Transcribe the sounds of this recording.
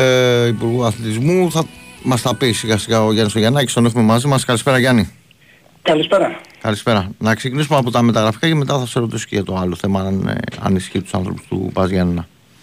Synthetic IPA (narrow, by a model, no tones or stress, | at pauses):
ipuɾɣuɐθlit̪izmuθɐmɐst̪ɐpisiɣɐst̪iɣɐoʝɐnist̪oʝɐnɐci̥st̪o̞ne̞xume̞mɐzimɐskɐlispe̞ɾɐʝɐni | kɐlispeɾɐkɐlispe̞ɾɐnɐkse̞cinisumɐpo̞t̪ɐme̞t̪ɐɣɾɐfi̥kɐce̞me̞t̪ɐθɐse̞ɾo̞t̪iso̥ceʝɐt̪o̞ɐlo̞θe̞mɐn̰ɐ̰nisçit̪usɐ̰nθɾopu̥st̪ṵpɐzʝɐnːɐ